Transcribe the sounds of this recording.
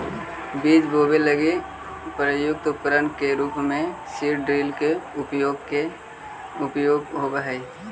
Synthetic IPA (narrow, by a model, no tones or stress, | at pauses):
biːd͡ʒboːbeləɡi | pɾəjʊk̚t̪ʊpəɾənkeɾuːpmẽ | siɾɖɾiːlkeʊpjoːɡke | ʊpjoːɡɦobəɦəi